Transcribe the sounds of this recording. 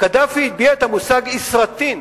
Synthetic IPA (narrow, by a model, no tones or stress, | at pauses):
kad̪afiːt̪̚biaet̪amusaɡisʁat̪in